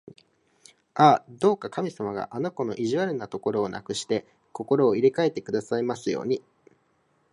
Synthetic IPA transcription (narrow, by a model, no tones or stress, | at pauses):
aːd̪o̞ːkakamʲisamaɡa̰ʔano̞ko̞no̞̰ʔiʑiβaɾɯ̟nat̪o̞ko̞ɾo̞ːna̰kɯ̟ɕi̥t̪e̞ | ko̞ko̞ɾo̞ːiɾekae̞t̪ːe̞kɯ̟d̪asaimasɨjo̞̰ːɲ̟i